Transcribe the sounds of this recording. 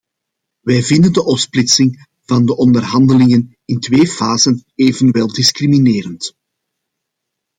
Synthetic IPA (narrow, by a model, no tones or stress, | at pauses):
ʋɛːjvɪndəndəʔɔpsplɪtsɪŋ | vɑndəʔɔndərɦɑndəlɪŋən | ɪntweːfaːzəneːvənʋɛlˠdɪskrimineːɾənt